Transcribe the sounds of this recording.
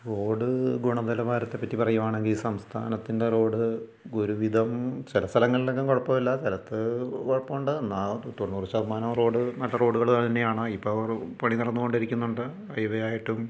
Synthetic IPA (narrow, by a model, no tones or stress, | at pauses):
ro̞ːɽɨɡuɳɐðɐlɐʋaːɾɐt̪ːe̞pːɐtːipɐrɐjumaːɳe̞ŋɡilsɐmst̪ʰa̰ːnɐt̪ːinde̞ro̞ːɽɨ | ɡuɾuʋid̪ʱɐmt͡ɕɐlɐst̪ʰɐlɐŋːɐɭilekːemkoɻɐpːɐmɐlːɐsɐlɐt̪ːɨkoɻɐpːɐmuɳɖɨnːat̪ːoɳːuːrt͡ɕːɐbʱɐmaːnɐmro̞ːɽɨnɐɭːɐro̞ːɽuɣɐɭaːɳt̪ɐnːejaːɳɨipːoːɐʋɐrpɐɳiniɽɐnːuɣo̞ɳɖɐɾikʲːunːuɳɖɨ | ɐjʋɐjaːjiʈːum